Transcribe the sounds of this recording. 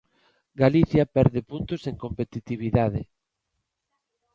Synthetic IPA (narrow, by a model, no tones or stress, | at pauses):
ɡaliθjapɛɾðɪpunt̪oseŋkompet̪it̪iβ̞iðaðɪ